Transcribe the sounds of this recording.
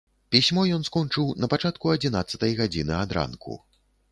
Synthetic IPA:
pʲisʲmɔjɔnskɔnt͡ʂɨwnɐpat͡ʂat̪kuɐd͡zʲinat̪sːɐt̪ɐjɣad͡zʲinɨad̪ɾa̰nkʰṵ

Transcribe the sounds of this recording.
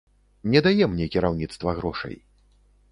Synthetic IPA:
nʲɛd̪ajɛmnʲɛkʲiɾawnʲit̪st̪vɐɣɾɔʂɐ̰j

